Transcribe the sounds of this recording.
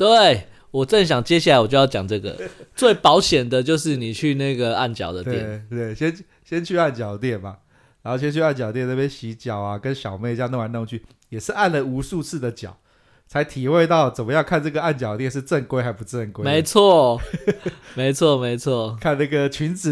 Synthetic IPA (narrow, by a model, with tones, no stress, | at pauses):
t̪we˥˨˩ɪ | wɔ˨˩ʈ͡ʂə˥˩ŋɕ̬jɑ˨˩ŋt͡ɕjɛ˥ɕ̬ja˥˩a˥ɪwɔ˨˩t͡ɕo˥˧jjɑ˨˩ŋʈ͡ʂɤ˥˩ɡə̰˩t͡swe˥˩ɪpɑ˧˥ʊɕjɛ˨˩nd̪ə˨t͡ɕjo˥˧ʊʂɻ̩˥˩ni˨˩t͡ɕʰy˥˧na˥˧ɡə˩a˥˩nt͡ɕjɑ̰˨˩ʊd̪ə˦t̪jɛ˥˨nt̪we˥˩ɪɕjɛ˥n | ɕjɛ˥nt͡ɕʰy˥˧a˥˩nt͡ɕjɑ˨˩ʊd̪ə˦t̪jɛ˥˨˩nba˨˩ | ɻa˨˧˥ho˥˧ʊɕjɛ˥nt͡ɕʰy˧a˥˩nt͡ɕjt̪jna˥˩jɛ˥nɕi˧˥t͡ɕjɑ˨˩ʊa˨kə˦nɕjɑ˨˩ʊme˥ɪt͡ɕja˥˧nə˥˩ŋwa˧˥na˥˧o˧˥ŋt͡ɕʰy˥˩ | jɛ˨˩ʂɻ̩˥˧a˥˩nlə˩u˧˥su˥˧t͡sʰɹ̩˥˩d̪ə˩t͡ɕjɑ̰˨˩˦ʊ | t͡sʰa˧˥ɪt̪ʰi˨˩xwe˥˧ɪt̪ɑ˥˩ʊt͡sə˨˩nmə˦jɑ˥˧ŋkʰa˥˧nʈ͡ʂə˥˩ɡə˩a˥˩nt͡ɕjɑ˨˩ʊdə˦t̪jɛ˥˧nʂ̬ɻ̩˥˧ʈ͡ʂə˥˧˩ŋkwe˥ɪxa˧˥ɪpu˧˦ʈ͡ʂə˥˧˩ŋkwe˦me˨˧˦ɪt͡sʰwɔ˥˨ | me˧˥ɪt͡sʰwɔ˥˩me˧˥ɪt͡sʰwɔ˥˩kʰa˥˧nna˥˩ɡə˩t͡ɕʰy˧˦nt͡s̩˨